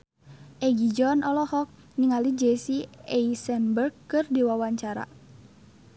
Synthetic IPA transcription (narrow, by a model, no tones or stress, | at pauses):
ʔɛɡid͡ʒɔnɔlɔhɔk̚ | niŋalid͡ʒɛsiɛisɛnbərkːɨrdiwawaɲt͡ʃaɾa̰